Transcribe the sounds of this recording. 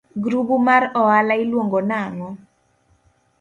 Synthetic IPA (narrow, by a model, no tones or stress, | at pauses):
ɡɾubumaɾɔalaɪlwoŋɡɔnaŋɔ